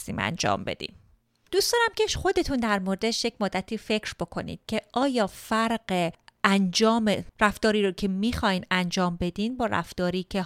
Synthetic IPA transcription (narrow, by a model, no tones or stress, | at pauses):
sḭːmæ̰nd͡ʒɒ̰ːmbe̞̰d̪ḭːn | d̪uːsd̪̥ɒːɾæmcʰeʃxo̞d̪e̞t̪ʰund̪æɾmoɾd̪eʃjecmod̪ːæt̪ʰiːfe̞cʰɾb̥o̞kʰo̞nḭːd̪̥cʰe̞ʔɒːjɒːfæɾɢeʔænd͡ʒɒːmeræft̪ɒːɾiːɾocʰe̞miːxɒːjnænd͡ʒɒːmbe̞d̪iːnbɒːɾæ̰ft̪ɒːɾiːcʰe